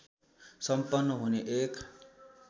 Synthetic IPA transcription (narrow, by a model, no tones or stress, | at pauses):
sʌmpʌnːʌɦuneʔek